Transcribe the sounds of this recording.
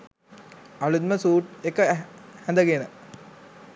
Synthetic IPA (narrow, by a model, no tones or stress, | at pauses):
ɐʋlut̪məsuːʈekəhɛ̃nd̪əɡenə